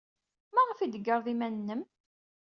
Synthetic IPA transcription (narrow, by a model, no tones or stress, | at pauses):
mæʁəfid̪əɡːəɾˤðˤimænnːəm